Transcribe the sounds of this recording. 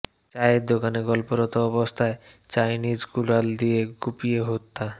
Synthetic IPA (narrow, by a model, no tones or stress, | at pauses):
t͡ɕajd̪okaneɡɔlpoɾɔt̪oɔbost̪ʰae | t͡ɕajnid͡ʑɡulald̪ieɡupieɦot̪ːa